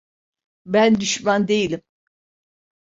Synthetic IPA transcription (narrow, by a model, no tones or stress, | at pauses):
bænd̪yʃmand̪e̞jilʲim